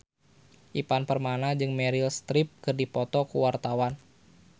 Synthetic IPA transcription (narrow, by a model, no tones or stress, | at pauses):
ʔipanpərmanad͡ʒɨŋmɛɾilst̪ɾɪp̚kɨrdipɔt̪ɔkuwart̪awan